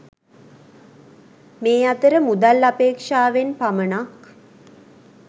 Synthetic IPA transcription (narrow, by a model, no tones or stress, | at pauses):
meːat̪əɾəmud̪alːapeːkʂaːʋenpamənak